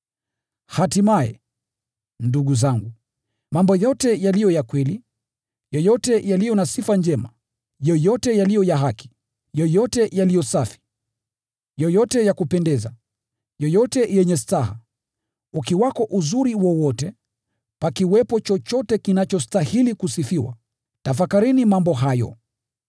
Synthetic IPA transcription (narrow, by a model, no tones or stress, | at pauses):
hatimajɛ̰ | nduɡuzaŋɡu | mambɔjɔtɛjalijɔjakwɛli | jɔjɔtɛjalijɔnasifand͡ʒɛma̰ | jɔjɔtɛjalijɔjaɦaki̥ | jɔjɔtɛjalijɔsafi̥ | jɔjɔtɛjakupɛndɛza | jɔjɔtɛjɛɲɛstaɦa̰ | ukiwakɔʔuzuɾiwɔwɔtɛ | pakiwɛpɔt͡ʃɔt͡ʃɔtɛkinat͡ʃɔstahilikusifiwa̰ | tafakaɾinimambɔɦajɔ̰